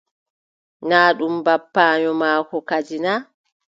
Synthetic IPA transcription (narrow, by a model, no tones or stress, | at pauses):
naːɗumbapːaːɲɔmaːkɔkad͡ʒina